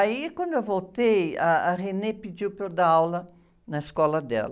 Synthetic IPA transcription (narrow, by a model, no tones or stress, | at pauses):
aikwɐ̃nd̪ʊewvolt̪ejɐːʁenepid͡ʒiwpɾod̪aawlɐ | nɐeskɔlɐd̪ɛ̰lɐ